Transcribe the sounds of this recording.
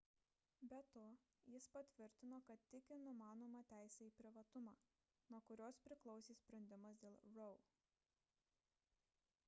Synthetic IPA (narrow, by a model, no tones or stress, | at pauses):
bʲɛt̪oː | jɪspɐt̪ʲʋʲɪɾʲt̪ʲɪnoːkɐt̪ːʲɪkʲɪnʊmɑːnoːmɑːt̪ʲæˑɪsʲɛiːpʲɾʲɪʋɐt̪ʊmɑː | nuɔkʊɾʲoːspʲɾʲɪklˠɒʊsʲiːsʲpʲɾʲɛnʲd̪ʲɪmɐsd̪ʲeːlˠɾɔʊ